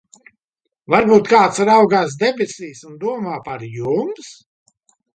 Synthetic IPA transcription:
vaɾbuːt̪kaːt̪sɾawɡaːs̬d̪ɛbʲɛsʲiːsund̪uɔmaːpaɾjums

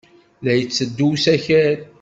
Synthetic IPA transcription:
læjət͡sːəd̪ːusæçæɾ

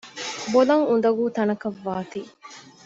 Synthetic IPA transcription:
bolɐŋund̪ɐɡuːt̪ɐnɐkɐʋːaːt̪iː

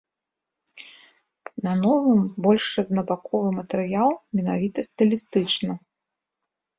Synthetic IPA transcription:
nɐnɔvɨmbɔlʲʂrɐzʲnɐbakɔvɨmɐt̪ɛɾɨjalˠmʲɛnavʲit̪ɐst̪ɨlʲist̪ɨt͡ʂnɐ

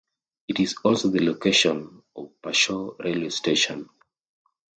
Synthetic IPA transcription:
itizɔlsoðəlokʰeʃɔ̃n | ɔvpaʃɔɹeliosteʃɔ̃n

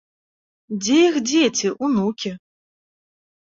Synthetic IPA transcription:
d͡zʲejixd͡zʲet͡sʲiʔunukʲi

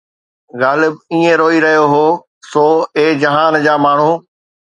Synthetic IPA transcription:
ɣaːlɪbiːẽɾoːiɾɐɦijoɦoː | soːeːd͡ʑɐɦaːnd͡ʑaːmaːɳ̤u

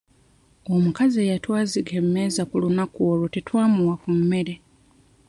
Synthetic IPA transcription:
o̞mukazie̞ːjatwaːziɡemːe̞ːzakulunakuolotetwaːmuwakumːe̞ɾe̞

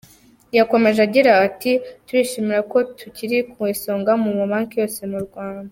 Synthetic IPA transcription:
jako̞me̞ʒaɟiɾaːtituɾiʃimiɾako̞tʰuciɾikuwiso̞ːŋɡamumuβaːŋkijo̞ːse̞muɾɡwaːnda

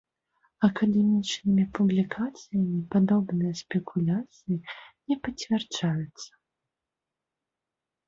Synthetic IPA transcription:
ɐkɐd̪ɛmʲit͡ʂnɨmʲipublʲikʰat̪sɨjɐmʲipad̪ɔbnɨjɐspʲɛkʰulʲat̪sɨjinʲɛpɐt͡sʲvʲɛrt͡ʂajut̪sːɐ̥

